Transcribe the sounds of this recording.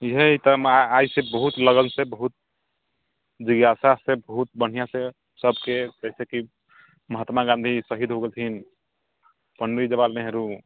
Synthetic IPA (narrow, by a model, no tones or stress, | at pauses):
ɦeit̪əmajsebəɦut̪ləɡənsebəɦut̪̚ | d͡ʒiɡasasẽbəɦut̪̚bəɽ̤ijasẽ | səbʱked͡ʒɛɪseki | məɦət̪maɡãnd̪ʱisəɦid̪ʱɦoɡelt̪ʰin | pənɾid͡ʒəbalnɛɦeɾu